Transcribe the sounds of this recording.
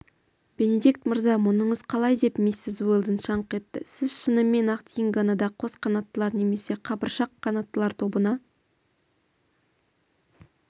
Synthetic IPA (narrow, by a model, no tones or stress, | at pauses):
b̥e̞ne̞d̪ik̚t̪məɾzɑmʊnəɴəzqʰɑlˠɑjd̪e̞pmesːɪzuelˠd̪ənʃɑɴqe̞t̪ːɪ̰sɪzʃənəmːe̞nɑqt̪jɪŋɡɑnɑd̪ɑqʰo̞sqʰɑnɑt̪ːəlˠɑɾne̞me̞se̞qʰɑbəɾʃɑqʰːɑnɑt̪ːəlˠɑɾt̪ʰo̞bənɑ